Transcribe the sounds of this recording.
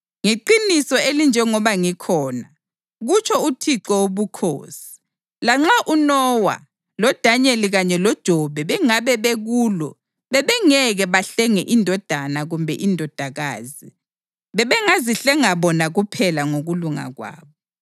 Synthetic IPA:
ŋeǃinisɔelind͡ʒʱɛŋɔβaŋikʰɔːna | ɣut͡ʃʰɔutʰiǁɔoβukʰo̰ːsi̥ | laŋ͡ǁaʔunɔwa̰ | lɔd̥ʱaɲeliɣaɲɛlɔd̥ʒ̥ʱɔβʱɛβɛŋaβɛβeɣuːlɔ̰ | βɛβɛŋɛɣɛβaɬɛŋɛʔindʱɔd̥ʱanaɣumbʱɛ̰ʔindʱɔd̥ʱaɣa̰ːzi | βɛβɛŋaziɬɛŋaβɔnaɣupʰɛlaŋoɣuluŋa̰ɣwa̰ːβɔ

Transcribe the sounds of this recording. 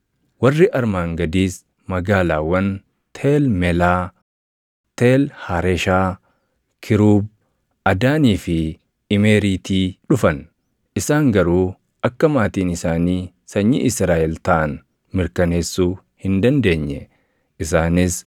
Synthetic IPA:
wɐrːɪʔɐɾmaːŋɡɐd̪iːs | mɐɡaːlaːwɐn | t̪ʰeːlmɛlaː | t̪eːlhɐɾɛʃaː | kʰɪɾuːb̚ | ɐd̪aːniːfɪ | ɪmeːɾiːt̪iːᶑʊfɐn | ʔɪsaːŋɡɐɾuː | ʔɐkːɐmaːt̪iːnɪsaːniː | sɐɲːḭʔɪsɾaːʔɛlt̪ɐʔːn | mɪɾkɐneːsːuː | hɪnd̪ɐnd̪e̞ːɲːɛ | ʔɪs̬aːnɪs

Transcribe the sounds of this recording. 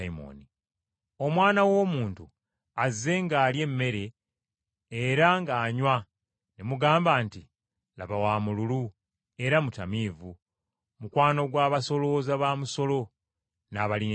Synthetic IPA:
mo̰ni | o̞mwaːnawo̞ːmuːntu | azːe̞ŋɡaːlje̞mːe̞ɾe̞ː | ɾaŋɡaːɲwa | nemuɡaːmbaːnti | laβawaːmululu | e̞ɾamutamiːvu | mukwaːno̞ɡwaːβaso̞lo̞ːzaβaːmuso̞lo̞ | naβalin

